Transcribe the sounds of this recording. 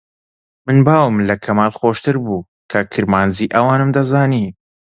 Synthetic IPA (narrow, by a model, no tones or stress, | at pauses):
mɨnbaːwɨmlɐkʰɐmaːlxoːʃt̪ɨɾbuː | kʰɐkʰɨɾmaːnziːʔɐwaːnɨmd̪ɐzaːniː